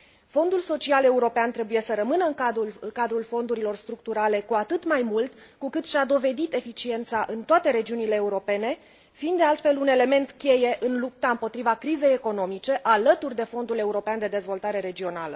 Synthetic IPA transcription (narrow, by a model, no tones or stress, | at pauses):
fo̞nd̪ulso̞t͡ʃiale̞uɾo̞peant̪ɾe̞buje̞səɾəmɨnəɨŋkad̪ulkad̪ɾulfo̞nd̪uɾilo̞rst̪ɾuk̚t̪uɾale̞kuat̪ɨt̪majmult̪ | kukɨt̪ʃad̪o̞ve̞d̪it̪e̞fit͡ʃie̞nt̪saʔɨnt̪oat̪e̞ɾe̞d͡ʒiunile̞ːuɾo̞pe̞ne̞ | fiːnd̪d̪ealt̪fe̞lune̞le̞me̞nt̪kʲe̞je̞ʔɨnlup̚t̪aɨmpo̞t̪ɾivakɾize̞jeko̞no̞mit͡ʃe̞ʔalət̪urʲd̪e̞fo̞nd̪ule̞uɾo̞peand̪e̞d̪e̞zvo̞lt̪aɾe̞ɾe̞d͡ʒio̞nalə